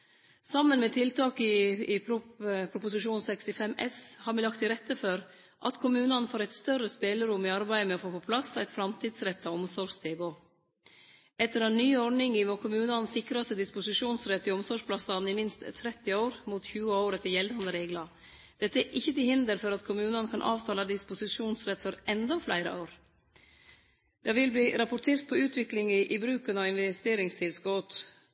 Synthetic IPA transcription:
sɑmːənmɛt̪ʰɪlt̪ʰɑːkɪɪpɾʊpʰɾʊpʊsɪʂuːnsɛkst̪ɪfɛmɛshɑːɾmɪlɑk̚t̪ɪɾɛt̪ːəføɾ | ʔɑt̪kʰʊmʉːnɑnfoːɾæɪt̪st̪œɾəspeːləɾʊmɪɑɾbæɪəmɛɔfoːpɔpʰlɑsːæɪt̪fɾɑmt̪ʰiːd̪sɾɛt̪ːɑɔmsɔɾst̪ʰeːboː | ɛt̪ːəɾɛnnyːɔɾɖɳɪŋɪmoːkʰʊmʉːnɑnsɪkɾɑst̪əd̪ɪspʊsɪʂuːnsɾɛt̪ːɪɔmsɔʂpʰlɑsɑnɪmɪnst̪t̪ʰːɾɛt̪ːɪoːɾmuːt̪çʉːəoːɾət̪ʰɪjɛld̪ɑnd̪əɾeːɡlɑ | d̪̥ɛt̪ːəɛʔɪçːət̪ɪhɪnd̪əɾfɔɾɑt̪kʰʊmʉːnɑnəkʰɑnʔɑ̰ːʋt̪ʰɑːlɑd̪ɪspʊsɪʂuːnsɾɛt̪ːfɔɾɛnd̪ɑflæɪɾə̰ʔoːɾ | d̪̥ɑʋɪlbliːɾɑpʊʈʰeːɾt̪̚pʰɔʉːt̪ʰʋɪklɪŋəʔɪbɾʉːkənɑʋɪnʋɛst̪eːɾɪŋst̪ʰɪlskoːt̪

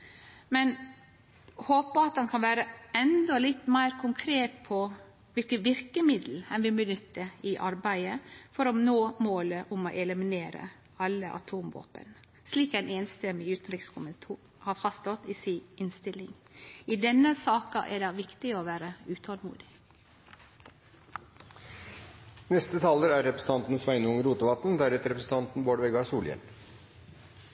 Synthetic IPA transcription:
mɛn | hoːpəɑt̪̚d̪ɑnkʰɑnʋæːɾəɛnd̪ɔlɪt̪ːmæɪɾkʰʊŋkʰɾeːt̪pʰɔ | ʋɪlkənʋɪɾkəmɪd̪l̩ɛnʋɪbənʏt̪ːəɪʔɑɾbæɪəfɔɾɔnoːmoːləʔʊmɔ̰ʔɛləmɪneːɾə̰ | ɑlːəʔɑ̰t̪ʰuːmʋo̰ːpə̰n | sliːkæɪneːnst̪ɛmːɪʉːt̪ənɾɪkskʰʊmənt̪ʰuː | hɑːfɑst̪ɔt̪iːsiɪnst̪ɪlɪŋ | iːd̪ɛnəsɑːkɑʔæ̰ɖɑʋɪkt̪ɪoːʋæːɾəʉːt̪ʰɔlmṵːd̪ɪ | nɛst̪ət̪ʰɑːləɾæɾɛpɾəsn̩t̪ɑnt̪n̩sʋæɪnəʊŋɾuːt̪əʋɑt̪n̩d̪æɾɛt̪əɾɛpɾəsn̩t̪ʰɑnt̪n̩boːɖʋɛɡɑsuːljɛ̰l

